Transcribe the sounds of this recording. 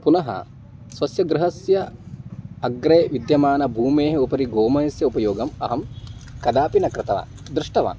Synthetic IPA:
punɐɦɐ̰ | sʋɐsjɐɡ̪ɾɪɦɐsjɐ | ɐɡɾeːʋid̪jɐmaːnɐbʱuːmeːɦɐupɐɾiɡoːmɐjɐsjɐupɐjoːɡɐmɐɦɐmkɐd̪aːpinɐkɾɪt̪ɐʋa̰ːn | d̪ɾɪʂʈɐʋa̰ːn

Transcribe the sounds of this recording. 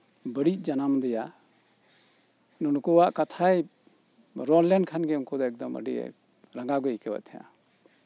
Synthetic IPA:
bəɽic̚ˀd͡ʒanamd̪ɛja | nɔnukɔwaʔkat̪ʰaj | ɾɔlɛnkʰanɡɛuŋkɔd̪ɔɛk̚d̪ɔmə̰ɖḭɛ̰ | ɾaŋɡaɡɔikɛwa̰ʔt̪ʰɛja̰

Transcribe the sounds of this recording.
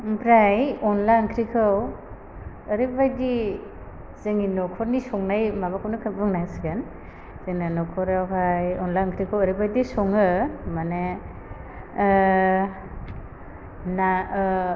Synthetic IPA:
pɾajɔnlankʰɾikʰɯw | əɾɯbajdi | zeŋinɔkʰɔɾnisɔŋnajmaβakʰawnɯkʰabɯŋnajsiɡan | zeŋnanɔkʰɔɾawɦajɔnlankʰɾikʰawəɾibajdisɔŋɯmane | na

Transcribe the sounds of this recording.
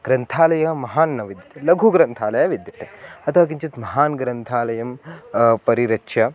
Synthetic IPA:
ɡ̥ɾɐnt̪ʰaːlɐjɐmɐɦaːnːɐʋid̪jɐt̪elɐɡʱuɡɾɐnt̪ʰaːlɐjɐʋid̪jɐt̪e̥ɐt̪ʰɐʋɐːk̬iɲt͡ʃit̪mɐɦaːnɡɾɐnt̪ʰaːlɐjɐmpɐɾiɾɐtːʃʰjɐ

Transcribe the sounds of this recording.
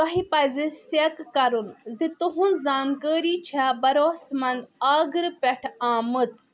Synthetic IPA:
t̪ɐɦipɐzisekːɐɾunzit̪uɦunzaːnkəːɾiːt͡ʃʰabɐɾoːsmɐnd̪aːɡɨɾpɛʈʰaːmɨt͡s

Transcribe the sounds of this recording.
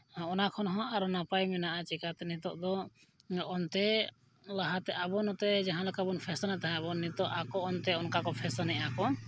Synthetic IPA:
ɔnakʰɔnɦɔ̃ʔaɾɔnapajmɛnaʔat͡ʃɛkat̪ɛnɛt̪ɔ̰ʔd̪ɔ | ɔnt̪ɛ | laɦat̪ɛʔabɔnɔt̪ɛd͡ʒaɦãlakabɔnpʰɛsanaʔt̪aɦɛ̃abɔnːit̪ɔʔakɔɔnt̪ɛɔnkakɔpʰɛsanɛʔakɔ

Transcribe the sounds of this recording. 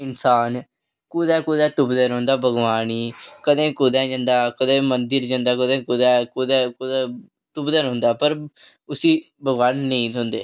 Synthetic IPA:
ɪnsaːn | kʊd̪ɛːkʊd̪ɛːt̪ʊbd̪ənɦõːnd̪aːbʱəɡʋaːniːkəd̪ẽːkʊd̪ɛːd͡ʒə̃ːnd̪aːkəd̪ẽːmənd̪əɾd͡ʒãːnd̪aːkəd̪ẽːkʊd̪ɛːkʊd̪ɛːkʊd̪aː | t̪ʊbd̪ənɦʊ̃ːnd̪aːpəɾ | ʊsiː | bʱəɡʋaːnːnəĩːõːnd̪eː

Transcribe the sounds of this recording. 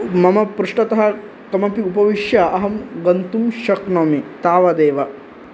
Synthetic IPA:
mɐmɐpɾuʂʈɐt̪ɐɦɐ̆ | kɐmɐpiupɐʋiʃjɐʔɐɦɐmɡɐnt̪umʃɐknomit̪aːʋɐd̪eːʋɐ

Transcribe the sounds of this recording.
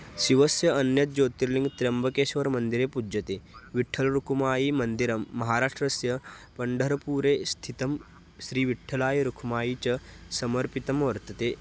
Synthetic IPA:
ʃiʋɐsjɐɐnjɐt̪̚d͡ʒoːt̪iɾlĩŋɡt̪ɾɐmbɐkeːʃʋɐɾmɐnd̪iɾeːpud͡ʒɐt̪eːʋiʈʰːɐlɾukʰumaːjiːmɐnd̪iɾɐmːɐɦaːɾaːʂʈɾɐsjɐpɐɳɖʱɐɾɐpuːɾeːst̪ʰit̪ɐm | ʃɾiːʋiʈʰːɐlaːjɐɾukʰumaːjiːt͡ʃɐsɐmɐɾpit̪ɐmʋɐɾt̪ɐt̪eː

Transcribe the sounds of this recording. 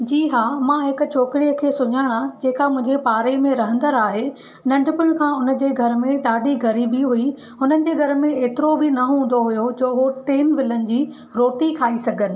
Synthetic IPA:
d͡ʑiːɦaːmãːɦɪkʊ̆t͡ɕʰoːkɪɽijəkʰeːsʊɲaːɽ̃ãd͡ʑeːkamʊ̃ɦɪ̃ɲd͡ʑepaːɾemẽɾɐɦə̃nd̪əɾaːɦe | nɐ̃ɳɖʱɪpɪʊɽ̃̆kʰãːʊnə̆d͡ʑeːɡʱɐɾmẽɗaːɖʱiɡɐɾiːbiɦui | ɦʊnənɪ̆d͡ʑeːɡʱɐɾmẽeːt̪ɪɾobɪnɐɦũːn̆d̪oɦʊjod͡ʑoːɦoʈeːnʋɪlənɪ̆d͡ʑiː | ɾoːʈikʰaːisɐɡʱənɪ̆

